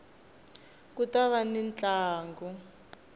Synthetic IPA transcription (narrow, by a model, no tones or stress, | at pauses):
kutaβanint͡ɬʼaːŋɡɔ